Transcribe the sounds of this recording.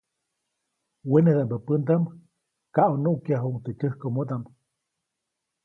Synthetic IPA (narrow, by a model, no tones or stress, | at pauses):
wened̪ambəpənd̪am | kaʔonuʔkjaɦumt̪et͡ʃəhkomod̪am